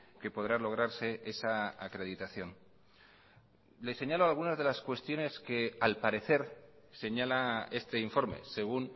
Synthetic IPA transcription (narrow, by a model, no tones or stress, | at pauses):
ke̞po̞ðɾalo̞ɣ̞ɾaɾse̞e̞saakɾe̞ðit̪aθjo̞n | le̞se̞ɲalo̞alɣ̞unazðe̞laskwe̞st̪jo̞ne̞ske̞alpaɾe̞θe̞ɾse̞ɲalae̞st̪e̞iɱfo̞ɾme̞̰se̞ɣ̞un